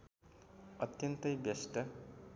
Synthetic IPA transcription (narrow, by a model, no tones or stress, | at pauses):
ʌt̪jʌnt̪ʌjbjesʈʌ